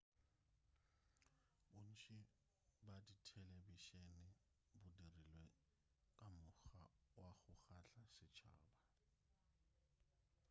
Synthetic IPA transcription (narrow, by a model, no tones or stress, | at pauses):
bʊn̩ʃɪ | baditʰɛlɛbiʃenɪ | bʊdirilwɛ | kʼamʊxawaɣʊχaɬasɪt͡ʃʰa̰ːba